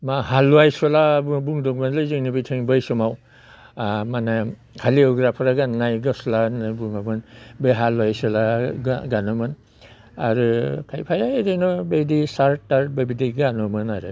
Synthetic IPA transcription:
mahalːwajsɔlabubuŋdɔk̚manlɯjzɯŋnibijtʰeŋbajsɔmaw | mana | kʰaliɔɡɾapʰɾaɡanajɡasɔlanajbuŋamɯnbeɦalːuajsɔlaɡɡanɔmɯn | aɾɯkʰajpʰajadejnɔbejdisaɾtːaɾt̚babideɡanɔmɯnaɾɯ

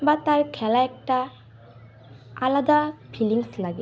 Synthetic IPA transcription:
bat̪aɹkʰɛlaɛk̚ʈa | alad̪apʰiliŋslaɡɛ

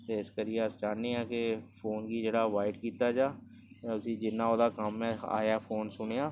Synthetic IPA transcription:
t̪eːɪskəɾijeəsd͡ʒaːnːeːɛ̃ːkepʰoːnɡiːd͡ʒeːɽaːʋaːɪʈkiːt̪aːd͡ʒaː | t̪eːəsĩːd͡ʒɪnːãːoːd̪aːkəmɛ̃a̰ːjaːpʰoːnsʊɽ̃ejaː

